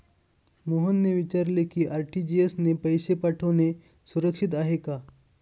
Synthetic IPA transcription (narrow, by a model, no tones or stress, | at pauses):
moɦunːeʋit͡ɕaɾlekiːʔaɾʈid͡ʑiesnepəjsepaʈʰəʋne | suɾəkʂit̪̬aɦeka